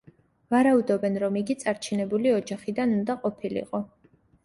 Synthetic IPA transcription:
vaɾaud̪ɔbɛnɾɔmiɡit̪sʼaɾt͡ʃʰinɛbuliɔd͡ʒaχid̪anund̪aqʼɔpʰilḭqʼɔ

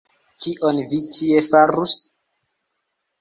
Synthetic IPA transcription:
kiʔonvitʰiefaɾus

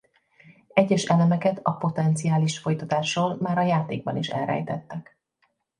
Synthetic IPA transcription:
ɛɟːɛʃɛlɛmɛkɛt̪ʰɒpo̞t̪ɛnt̪sijaːliʃfo̞jt̪ɒt̪aːʃoːlmaːɾɒjaːt̪eːɡ̚bɒniʃɛ̰lɾɛ̰jt̪ɛt̪ːɛk

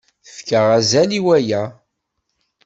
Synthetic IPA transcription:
θəfkəʁæzæliwæjæ

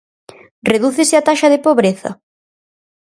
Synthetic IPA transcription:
reðuθesɪat̪aʃɐðɪpoβɾeθɐ̰

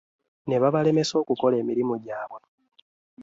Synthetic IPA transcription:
ne̞βaβale̞me̞so̞ːkuko̞le̞ːmiɾimoɟaːβwa

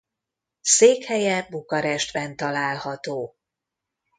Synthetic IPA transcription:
seːkhɛjɛbukɒɾɛʃt̪bɛnt̪ɒlaːlhɒt̪oː

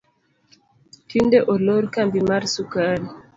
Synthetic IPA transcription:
tindeʔoloɾkambimaɾsukal

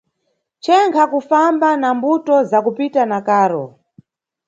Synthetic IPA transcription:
t͡ʃɛŋkʰakufambanambutɔzakupitanakaːɾɔ̰

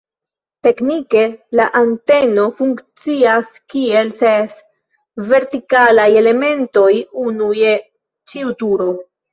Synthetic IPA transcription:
te̞knike̞laʔante̞no̞fuŋkt͡siaskie̞lses | ve̞ɾtikalaje̞le̞me̞nto̞junuje | t͡ʃiutuɾo̞

